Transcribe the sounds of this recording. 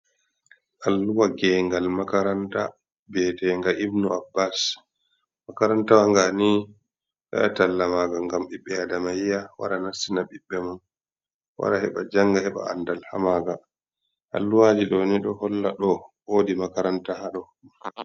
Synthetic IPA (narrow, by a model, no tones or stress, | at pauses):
ʔalːuwaɡɛŋɡalmakaɾanta̰ | bɛtɛŋɡaʔibnuabːas | makaɾantawaŋɡani | ɗa̰ɗatalːamaːɡaŋɡamɓiɓːɛadamajijawa̰ɗanasinaɓiɓːɛman | wa̰ɗahɛɓa̰d͡ʒaŋɡahɛɓa̰a̰ndalha̰maːɡa | ʔa̰lːuwad͡ʒiɗɔniɗɔhɔlːaɗɔwodimakaɾantahaɗɔ